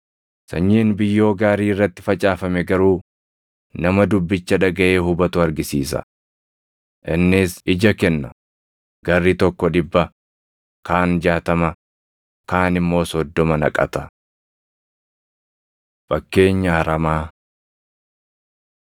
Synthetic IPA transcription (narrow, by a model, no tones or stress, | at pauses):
sɐɲːiːnbɪjːo̞ːɡaːɾiːɪrːɐt̪ːɪ̥fɐt͡ʃʼaːfɐmɛɡɐɾuː | nɐmɐd̪ʊbːɪt͡ʃːɐᶑɐɡɐʔeːhʊbɐt̪ʊɐɾɡɪsiːsɐ̰ | ʔɪnːɪsɪd͡ʒɐkɛnːɐ̰ | ɡɐrːit̪ɔkːɔᶑɪbːɐ | kaːnd͡ʒaːt̪ɐmɐ | kaːnɪmːo̞ːsɔd̪ːɔmɐnɐ̰kʼɐ̰t̪ɐ | fɐkːe̞ːɲːɐhɐɾɐmaː